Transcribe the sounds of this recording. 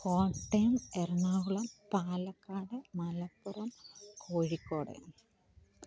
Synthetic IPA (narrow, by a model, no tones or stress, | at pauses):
koːɳʈːɐːmerɐɳaːɣuɭɐmpaːlɐkːaːɽɨmɐlɐpːɐrɐmkʰoːɻikːoːɽḛn